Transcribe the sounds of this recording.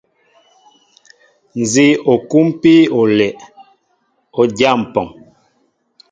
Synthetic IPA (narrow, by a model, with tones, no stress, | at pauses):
n̩˨zi˦o˨ku˦m˦pi˦o˨lɛ˨ʔ | o˨d͡ʒja˦˨m̩˨pɔ˨ŋ